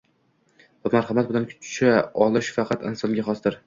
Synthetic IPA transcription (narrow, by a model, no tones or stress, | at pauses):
bʊmaɾχɑmat̪bɪlankʲʰʊ̥t͡ʃt͡ʃʰaɒlˠɪʃfɑqʰɑt̪ɪnsɒnɡʲaχɒsd̪ɪɾ